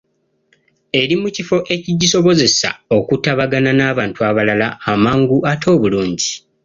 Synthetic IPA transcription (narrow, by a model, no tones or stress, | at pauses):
e̞ɾimucifo̞ʔe̞ciɟiso̞βo̞ze̞sa̰o̞kutaβaɡananaːβaːntuaβalalaamaːŋɡuʔatʰo̞ːβuluːɲɟi